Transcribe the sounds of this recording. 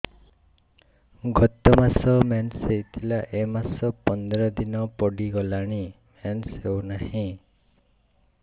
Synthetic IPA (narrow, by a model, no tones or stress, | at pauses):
ɡɔt̪ɔmasɔmanseɦit̪ʰilaʔemasɔpɔnd̪ɾɔd̪inɔpɔɖiɡɔlaɽ̃i | mensewnahĩ